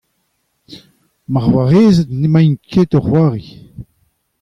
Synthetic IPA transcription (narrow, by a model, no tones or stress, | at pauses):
maʁwaʁeːzətnemajnkʰet̪ɔʁhwaːʁi